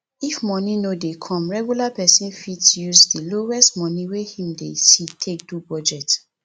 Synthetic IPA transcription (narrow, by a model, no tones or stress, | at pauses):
ifmɔ̃nĩnodekʰɔ̃mɹɛɡjulapɛsĩnfitjusdilowɛstmɔ̃nĩwehĩmdesitʰek̚dubɔd͡ʒɛt